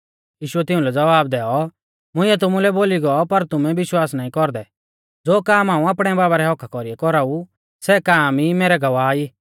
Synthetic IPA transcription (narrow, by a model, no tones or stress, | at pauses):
jiːʃʊɛt̪ɪũlɛd͡zɐʋaːb̚d̪ɛːɔ | mʊ̃ɪ̃ɛt̪̬ʊmulɛboːliɡɔɔpɐɾt̪ʊmɛ̃bɪʃwaːsnaːĩkɔɾd̪ɛ | d͡zoːkaːmɦaːũaːpɽ̃ɛbaːbaɾɛɦɔkʰakɔɾiɛkɔɾau | sɛkaːmimeːɾɛɡɐʋaːiː